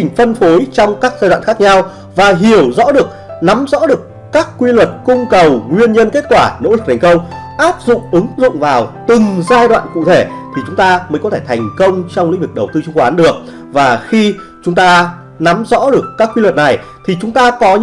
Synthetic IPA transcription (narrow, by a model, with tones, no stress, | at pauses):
i˨˩ŋ̟fə˧nfo˨˦jt͡ɕɔ˧wŋ͡mkaː˦˥k̚zaː˧dwa̰ː˧˨nxaː˦˥k̚ɲa˧w | vaː˨˩ɦi˧˩əwzɔ̰˧˥ɗɨ˨˩ək̚na˨˦mzɔ̰˧˥ɗɨ˨˩əkːaː˦˥kːwi˧lwə˨˩t̚kʊ˧ŋ͡mkə˨˩wŋwi˧ənɲə˧nke˦˥t̚kwaː˧˩no̰˧˥lk̚t̪ʰɛ˨˩ŋ̟kə˧wŋ͡mʔaː˦˥p̚zʊ̰˧˨ŋ͡mʔɨ˨˦ŋzʊ̰˧˨ŋ͡mvaː˨˩wt̪ɨ˨˩ŋzaː˧jɗwa̰ː˧˨nkṵ˧˨t̪ʰe˧˩t̪ʰi˨˩t͡ɕʊ˨˦ŋ͡mt̪aː˧məː˨˦jkɔ˨˦t̪ʰe˧˩t̪ʰa˨˩jŋ̟kə˧wŋ͡mt͡ɕɔ˧wŋ͡mlḭ˧˥vɨ˨˩ɗə˨˩wt̪ɨ˧t͡ɕʊ˧ŋ͡mkwaː˨˦nɗɨ˨˩ək̚ | vaː˨˩xi˧t͡ɕʊ˨˦ŋ͡mt̪aː˧ | na˨˦mzɔ̰˧˥ɗɨ˨˩əkːaː˦˥kːwi˧lwə˨˩t̚na˨˩j | t̪ʰi˨˩t͡ɕʊ˨˦ŋ͡mt̪aː˧kɔ˨˦